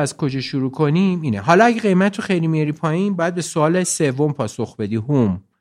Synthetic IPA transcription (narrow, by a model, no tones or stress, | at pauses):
æz̥kʰo̞d͡ʒɒːʃuɾuːkʰo̞niːmiːneɦɒlɒæɟeɣe̞jmæt̪ʰːoχejlimijɒɾipʰɒːjiːnbɒːjæd̪̚be̞soɒːle̞se̞vːo̞mpʰɒːsoxbe̞d̪iːhum